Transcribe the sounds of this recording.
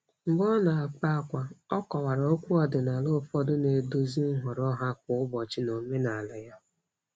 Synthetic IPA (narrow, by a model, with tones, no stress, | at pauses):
ŋ͡m̩˨ɡ͡bɔ˦na˨a˨k͡pa˦a˦˨kʷa˨ɔ˦kɔ˨wa˨ɾa˨o˦kʷu˦ɔ˨dɪ˨na˨lʊ˦˨fɔ˦dʊ˦ne˨do˦zi˦n̩˦ɦʊ˨ɾɔ˦ɦa˦kʊ˨ʊ˦bɔ˨t͡ʃɪ˦no˨me˦na˨a˨lɪ˨ja˦